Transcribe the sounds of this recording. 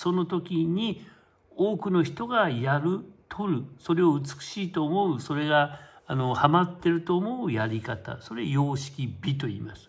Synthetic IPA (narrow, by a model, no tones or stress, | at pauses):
so̞no̞t̪o̞kʲiɲ̟i | oːkɯ̟no̞çi̥t̪o̞ɡajaɾɯ̟t̪ʰo̞ɾɯ̟so̞ɾe̞oɯ̟t͡sɨ̥kɯ̟̥ɕiːt̪o̞ːmo̞ɯso̞ɾe̞ɡaːno̞hamat̪ːe̞ɾɯ̟t̪o̞ːmo̞ɯjaɾʲikat̪a̰so̞ɾejo̞ːɕi̥kʲibʲit̪̬o̞ḭːmasɨ̥